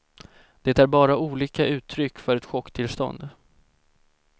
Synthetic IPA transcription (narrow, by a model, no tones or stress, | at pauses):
d̪̥ɛt̪æɾbɑːɾauːliːkaʔʉ̟ːt̪ʰːɾʏkːfœɾɛt̪ɧɔkːt̪ʰɪlst̪ɔ̰nd̪